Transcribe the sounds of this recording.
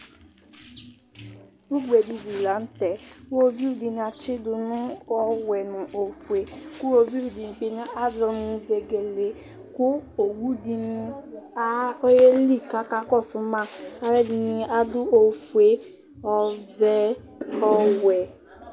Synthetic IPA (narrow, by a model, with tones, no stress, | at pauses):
u˦ɡ͡bɛ˨di˧di˨la˨˦n̩˦tɛ˨u˦o˧˦vi˦u˦˨di˧n˧a˧t͡ʃi˦du˧nũ˦ɔ˧wɛ˨nũ˨ʔo˨fu˨e˨˦ku˦o˧vi˦u˨di˧ĩ˧k͡pe˧nĩ˦a˦dɾɔ˧nũ˧vɛ˧ɡɛ˨le˨˦ | ku˦o˨wu˦di˧nĩ˧a˦e˦li˦˨ka˨˦ka˦kɔ˦˨su˨˦mã˦˨a˦ɾɛ˦dĩ˧nĩ˧a˦du˦o˧fu˨e˨˦ | ɔ˧vɛ˦ | ɔ˧wɛ˨